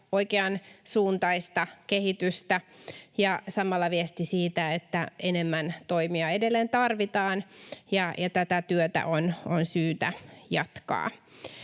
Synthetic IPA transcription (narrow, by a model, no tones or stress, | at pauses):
oikeɑnsuːnt̪ɑist̪ɑkehit̪yst̪æjɑsɑmɑlːɑʋiest̪isiːt̪æet̪ːæʔenemːænt̪oimiɑedelːeːnt̪ɑrʋit̪ɑːnjɑjɑt̪æt̪æt̪yøt̪æ̰ʔononsyːt̪æjɑt̪kɑ̰ː